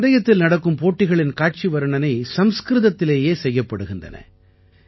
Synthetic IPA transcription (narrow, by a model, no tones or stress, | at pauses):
ɾɐjɐt̪ːɪlnɐɽɐkːɯmpoːʈːɪɣɐɭɪnkaːʈ̚t͡ʃiʋɐɾɯɳɐnɐɪsɐmskɾɪðɐt̪ːɪleːjeːsɛjːɐpːɐɽɯɣɪndɐ̰nɐ̰